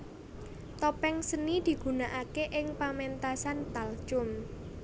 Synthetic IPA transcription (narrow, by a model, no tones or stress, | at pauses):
t̪ɔpɛŋsənid̪̥i̤ɡ̥ṳnaʔakeʔɪŋpament̪asant̪alt͡ʃʊm